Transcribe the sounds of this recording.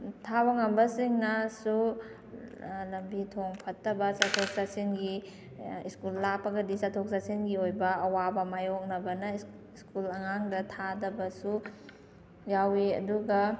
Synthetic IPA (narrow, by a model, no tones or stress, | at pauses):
tʰawaŋɐmbɐsiŋnɐsu | lɐmbitʰoŋpʰɐtːɐbɐsatʰok̚sasinɡi | iskulːapːɐɡɐdisatʰok̚sasinɡiojbɐɐwabɐmajok̚nɐbɐnɐ | iskulɐŋaŋdɐtʰadɐbɐsu | jawiɐ̰duɡɐ